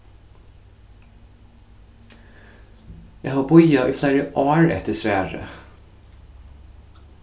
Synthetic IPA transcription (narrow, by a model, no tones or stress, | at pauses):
jæhɑːbʊjɑʔiːfleːɹəʔoːɹɛ̰t̪əsʋæːɹə̰